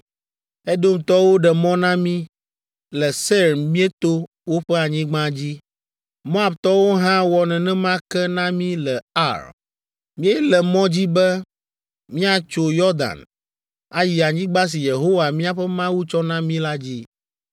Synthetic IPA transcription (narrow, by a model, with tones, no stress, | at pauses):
ɛ˦d̪o˦mt̪ɔ˦wo˦ɖɛ˨mɔ̃˦nã˦mĩ˦ | lɛ˨se˦ɾmĩ˦e˦t̪o˦ | wo˦ɸɛ˦a˨ɲĩ˦ɡ͡bã˦d͡ʑi˦ | mɔ̃˦a˨bt̪ɔ˦wo˦ɦã˦wɔ˨nɛ̃˨nɛ̃˦mã˦kɛ˦nã˦mĩ˦lɛ˨a̰˦ɾ | mĩ˦e˦lɛ˨mɔ̃˦d͡ʑi˦bɛ˦ | mĩ˦a˨t͡ʃo˦jɔ˦ɾd̪a̰˨n | a˦ji˨a˨ɲĩ˦ɡ͡ba˦s̬i˨je˨ɦo˦wa˨mĩ˦a˨ɸɛ˦mã˦wu˦t͡ʃɔ˦nã˦mĩ˦la˦d͡ʑi˦